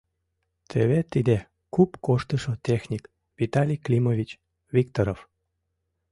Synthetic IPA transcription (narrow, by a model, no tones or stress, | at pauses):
t̪ʰeβet̪id̪e | kupkoʃt̪əʃot̪exnʲik | vit̪alʲijklʲimovʲit͡ɕ | vʲikt̪oɾof